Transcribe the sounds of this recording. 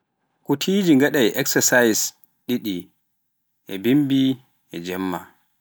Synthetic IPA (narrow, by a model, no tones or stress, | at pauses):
kutʰid͡ʒiŋɡaɗajʔɛksɛsajs | ɗiɗi | ʔɛbimbi | ʔɛd͡ʒɛmːa̰